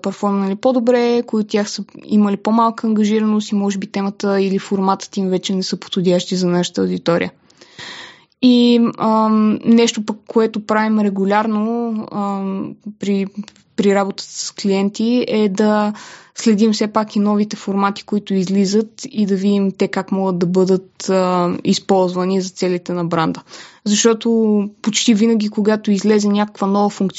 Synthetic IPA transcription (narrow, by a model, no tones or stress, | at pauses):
pɐɾt̪fɔɾmnilipod̪obɾɛkoit̪ot̪ʲaxsəḭməlipomalˠkəːŋɡɐʒiɾənost̪imɔʒɛbit̪ɛmət̪əilifoɾmat̪ə̥t̪imvɛt͡ʃɛnɛsɤpo̥t̪xʊd̪ʲjaʃt̪izɐnaʃə̥t̪əod̪it̪ɔɾḭə | iənɛʃt̪opəkːoɛt̪opɾavimɾɛɡʊlʲaɾnoəpɾi | pɾiɾabot̪ə̥t̪ə̥ssklijɛnt̪iɛd̪ɐslɛd̪imsɛpakinɔvit̪ɛfoɾmat̪i̥koit̪ʊizlizət̪id̪ɐvid̪imt̪ɛkakmɔɡəd̪d̪ɐbɤd̪ət̪əispɔlˠzvɐnizɐt̪sɛlit̪ɛnɐbɾand̪əzɐʃt̪ɔt̪opot͡ʃt̪ivinəɡ̟ʲikoɡat̪oizlɛzɛnʲakə̥kvɐnɔvəfuŋkt̪ʲ